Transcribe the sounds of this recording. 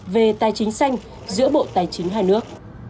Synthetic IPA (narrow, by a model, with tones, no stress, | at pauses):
ve˨˩t̪aː˨˩jt͡ɕï˨˦ŋ̟sa˧jŋ̟ | zɨ̰˧˥əɓo̰˧˨t̪aː˨˩jt͡ɕï˨˦ŋ̟ɦaː˧jnɨ˦˥ək̚